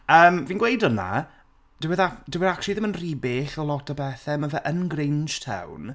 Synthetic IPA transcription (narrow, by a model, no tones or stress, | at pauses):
əːmviːnɡwejdəna̰ | d̥ɪwɛðadɪwɪðakt͡ʃlˠiðɪmənriːbeːɬɔlˠɔtʰəbɛθɛməvɛʔənɡrɪnd͡ʒtʰhɛ̰wn